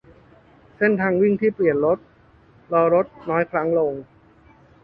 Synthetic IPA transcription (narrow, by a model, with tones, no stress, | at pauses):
se˥˩nt̪ʰaː˧ŋwi˥˩ŋt̪ʰiː˥˩pli˨˩ənɾo˦˥t̪̚ | lɔː˧ɾo˦˥t̪̚nɔː˦˥jkʰɾa˦˥ŋlo˧ŋ